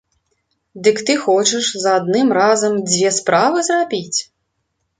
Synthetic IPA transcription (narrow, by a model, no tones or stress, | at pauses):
d̪ɨkt̪ɨxɔt͡ʂɨʂzɐad̪nɨmrazɐmd͡zʲvʲɛspɾavɨzrabʲit͡sʲ